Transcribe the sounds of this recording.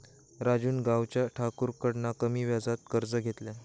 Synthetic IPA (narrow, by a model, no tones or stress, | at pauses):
ɾad͡ʑuːnɡawt͡ɕjaʈʰakuɾkəɽnakəmiːʋjad͡zat̪̚kəɾd͡zəɡʱet̪lɛ